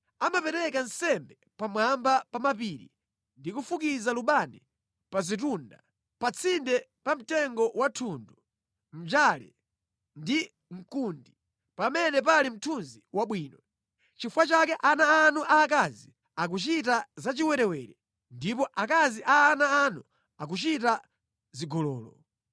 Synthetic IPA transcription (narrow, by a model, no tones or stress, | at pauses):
amapɛɾɛkansɛmbɛ | pamwambapamapiːɾḭ | ndikufukizaluɓani | pazit̬unda̰ | pat͡sʰindɛpam̩tɛŋɡɔwatʰundu | m̩d͡ʒalɛ̰ | ndi | ŋ̩kundi | pamɛnɛp̬alim̩tʰunziwaɓwiːnɔ | t͡ʃifwat͡ʃakɛʔanaːnuʔaːk̬azi | ak̬ut͡ʃitazat͡ʃiwɛɾɛwɛːɾɛ | ndipɔʔakaziʔaːnaːnu | ak̬ut͡ʃita | ziɡɔlɔːlɔ